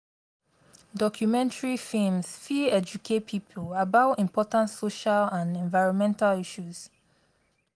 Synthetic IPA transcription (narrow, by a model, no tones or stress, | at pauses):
dɔkʰjumɛ̃ntaɹifĩmsfiɛd͡ʒukʰet̚pʰipʰlabaʊĩmpʰɔtãntsoʃalãnɛ̃ɱvaɪɹɔ̃nmɛ̃ntaliʃuz̥